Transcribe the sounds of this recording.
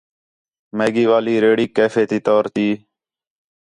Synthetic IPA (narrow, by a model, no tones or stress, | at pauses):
meːɡiːʋaːliːɾeːɽiːkeːfeːt̪iːt̪oːɾt̪iː